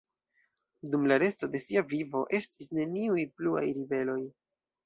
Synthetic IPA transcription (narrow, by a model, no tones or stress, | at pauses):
dumlaɾe̞sto̞de̞siavivo̞̰ʔe̞stisne̞niujplua̰jɾive̞lo̞j